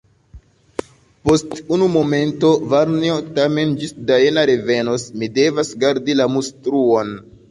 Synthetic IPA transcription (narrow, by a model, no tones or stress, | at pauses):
po̞stunumo̞me̞nto̞vaɾniotame̞nd͡ʒisdaenaɾe̞ve̞nosmide̞vasɡaɾdilamustɾuon